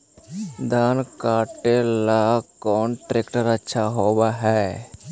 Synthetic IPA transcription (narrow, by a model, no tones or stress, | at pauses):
d̪aːnkaːʈelakɔːnʈɾeːkʈəɾətːʃʰaɦoːbaɦɛː